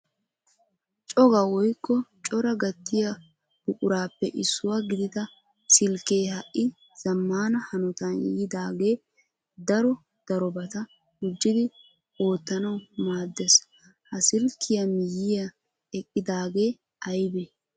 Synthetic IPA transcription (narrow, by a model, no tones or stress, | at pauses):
t͡ʃʼɔɡɐwɔjkːɔt͡ʃʼɔɾɐɡɐt̪ːɪjɐ | b̥ʊkʼʊɾaːpːɛʔɪsːʊwaɡɪd̪ɪt̪ɐ | sɪlkːeːhɐʔʔːɪ | z̥ɐmːaːnɐhɐnɔt̪ɐnj̰jɪd̪aːɡe̞ː | d̪ɐɾɔ | d̪̥ɐɾɔbɐt̪ɐ | ɡʊd͡ʒːɪd̪ɪ | o̞ːt̪ːɐnɐwmaːd̪ːes | hɐsɪlkʰːɪjɐmɪjɪjɐ | ɛkʼːɪd̪aːɡe̞ː | ɐjbeː